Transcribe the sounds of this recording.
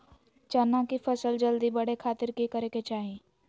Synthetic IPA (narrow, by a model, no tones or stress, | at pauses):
t͡ʃɐnːãkipʰɐsəld͡ʒəld̪ibɐɽekʰaːt̪ɪɾkikəɾeket͡ʃaːɦĩ